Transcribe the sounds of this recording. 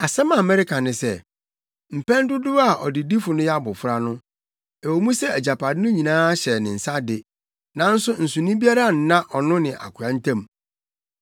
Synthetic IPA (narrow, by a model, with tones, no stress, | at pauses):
a˨sɛ˦mã˨mɛ˦ɾɪ˦kʰã˨nɪ̃˨sɛ˦ | m̩˨pɛ̃˦n˦dʊ˦dʊ˦a˨ʔɔ̰˨dɪ˨di˦fʊ˨nʊ̃˦jɛ˦a˦bʊ˨fʊ˦ɾa˦nʊ̃˦ | ɛ˨wo˨mũ˦sɛ˦æ˨d͡ʑa˨pʰa˨dɪ˦nʊ̃˦ɲĩ˨nãː˦ɕɛ˨nɪ̃˨n̩˨sa˦dɪ˨ | nã˨n̩˦sʊ˦n̩˨sʊ̃˨nʊ̃˦bi˦a˦ɾa˦˨n̩˨nã˦ʔɔ˨nʊ̃˦nɪ̃˨ʔa̰˨kʰʊ˨a˨˦n̩˦tʰã˦˨m